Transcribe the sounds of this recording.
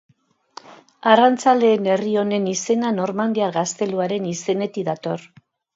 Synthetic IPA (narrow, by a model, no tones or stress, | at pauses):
arant͡sale̞ːne̞rio̞ne̞nise̞nano̞rmand̪iaɾɣast̪e̞luaɾe̞nise̞ne̞t̪iðat̪o̞r